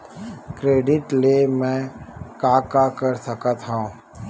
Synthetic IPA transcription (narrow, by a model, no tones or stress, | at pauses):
kɾeːɖɪʈlemɛ̃kaːkakəɾsəkət̪ɦõ